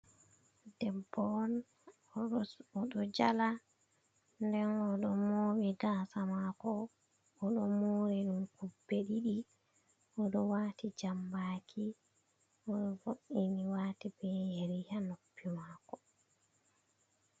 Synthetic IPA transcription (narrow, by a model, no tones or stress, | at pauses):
dɛbːɔn | ɔɗɔd͡ʒala | ndɛnɔɗɔmowiɡaːsamakɔː | ɗɔmoɾiɗumkubːeɗiɗi | ɔɗɔwaːtid͡ʒambakʰi | ɔɗɔvoʔiniwaːtibɛjeɾihanopːimaːkɔ